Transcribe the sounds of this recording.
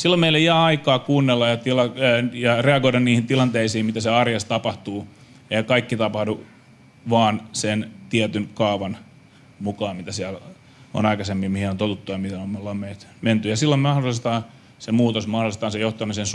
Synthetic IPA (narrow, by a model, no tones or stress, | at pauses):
silːomeilːejæɑikɑːkuːnːelːɑjɑt̪ilɑjɑreɑɡoiɾɑnniːhint̪ilɑnt̪eisiːmmit̪æseɑrjɑst̪ɑpɑht̪uː | ehkɑikːit̪ɑpɑhdu | ʋɑːnsent̪iæt̪ynkɑːʋɑn | mukɑːmmit̪æsiæl | o̰nɑikɑsemːiːmihinont̪ot̪ut̪ːujɑmihenommelːɑmːeːt̪ment̪yjɑsilːommɑhdolˑist̪ɑː | semuːt̪osmɑhdolˑist̪ɑːnsejoht̪ɑmisens